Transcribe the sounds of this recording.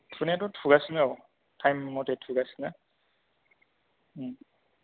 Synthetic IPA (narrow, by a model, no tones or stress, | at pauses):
tʰunɛtʊtʰuɡasnɛ | tʰajmːɔtɛtʰuɡasna